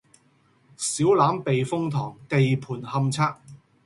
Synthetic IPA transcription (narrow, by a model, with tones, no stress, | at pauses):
siː˨˥wlaː˨˥mpe˨jfʊ˥ŋt̪ʰɔː˨˩ŋt̪e˧jpʰuː˨˩nhɐ˧mt͡sʰaː˥k̚